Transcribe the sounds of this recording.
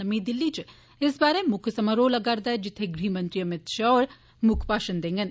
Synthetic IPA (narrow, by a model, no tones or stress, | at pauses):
ɐmid̪ɪlːit͡ʃ | ɪsbaːɾemʊkʰsɐmɐɾoːlɐɡaɾd̪aːd͡ʒɪt̪ʰːeɡɾiːmɐ̃nt̪ɾiɐmɪt̪ʃaɔːɾ | mʊkʰpaːʃənd̪ẽːŋɡən